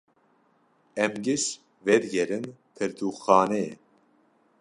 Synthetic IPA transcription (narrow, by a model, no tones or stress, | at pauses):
ɛmɡɪʃ | vɛɾɡɛɾɨnt̪ʰɨɾd̪uːxɑːneː